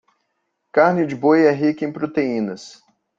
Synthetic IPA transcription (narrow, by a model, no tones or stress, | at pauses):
kaɾnɪd͡ʒɪbojɛɦikẽpɾot̪eĩnɐs